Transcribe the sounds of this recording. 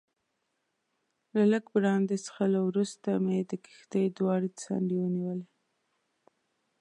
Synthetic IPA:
laləkbɾɑnd̪esə̥xalawɾust̪amed̪əki̥xd̪ejd̪wɑɽet͡sa̰ɳɖiwəniwəle

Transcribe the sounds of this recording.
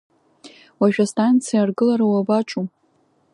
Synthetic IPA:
waʒᶣastʰʼant͡sʰijarɡɨlaɾawabaʈ͡ʂʼu

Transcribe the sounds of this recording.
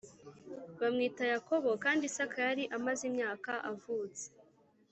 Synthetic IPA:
βamŋiːtajako̞βo̞kaːndisakajaɾiʔamazimɲaːkaʔavuːt͡se̥

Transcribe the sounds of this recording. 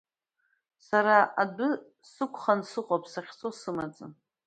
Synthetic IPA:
saɾaʔadʊ | sɨkʷʰχansɨqʼopʰsaχʲt͡sʰʼosɨmat͡sʼɨn

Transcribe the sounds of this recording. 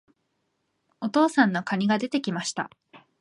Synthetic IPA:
o̞t̪o̞ːsãnːo̞kaɲ̟iɡad̪e̞t̪e̞kʲimaɕi̥t̪a̰

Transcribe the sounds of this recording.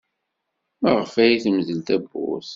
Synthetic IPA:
məʁəfæjiθəmzəlt̪æbːṵθ

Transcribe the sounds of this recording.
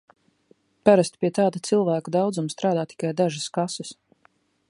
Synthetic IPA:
paɾast̪pʲiɛt̪aːd̪ut̪silˠvæːkud̪awd̪zumst̪ɾaːd̪aːt̪i̥kajd̪aʒaskasus

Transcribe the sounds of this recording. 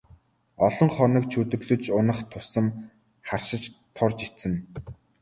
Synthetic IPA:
ɔɮɞ̆ŋχɔnə̆k̚t͡ɕʰuːt̪ɵ̆ɣɮɵ̆t͡ɕʊnə̆χt̪ʰʊsə̆m | χarʃɪ̆t͡ɕt̪ʰʊrt͡ɕit̪t͡sɘ̆n

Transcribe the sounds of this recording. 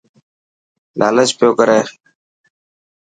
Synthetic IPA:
lʔa̰ːlət͡ʃpjoːkəɾeː

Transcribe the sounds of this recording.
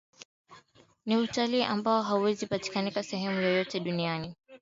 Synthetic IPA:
niutaliːʔambaɔɦauwɛzipati̥kanikasɛɦɛmujɔjɔtɛɗuniani

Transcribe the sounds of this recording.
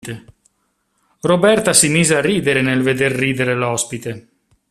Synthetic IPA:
t̪e | robɛrt̪asimiːzearːiːd̪eɾenelved̪erːiːd̪eɾelɔspit̪e

